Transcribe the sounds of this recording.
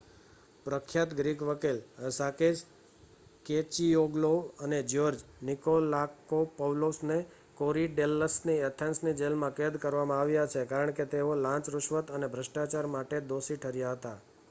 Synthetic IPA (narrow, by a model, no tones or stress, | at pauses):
pɾəkʰːjat̪ɡɾikʋəkiləsakes | ket͡ʃijoɡloəned͡ʒoɾd͡ʒnikolakopəʋlosne | koɾiɖelːəsniet̪ʰensnid͡ʒelmãked̪kəɾʋamãaʋjat͡ʃʰekaɾəɳket̪eolãt͡ʃɾʊʃʋət̪ənebʱɾəʃʈat͡ʃaɾmaʈed̪osiʈʰəɾjaɦət̪a